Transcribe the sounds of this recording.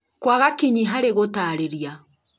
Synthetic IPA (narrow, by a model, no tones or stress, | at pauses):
kwaɣakiɲiɦaɾeɣotaːɾeɾia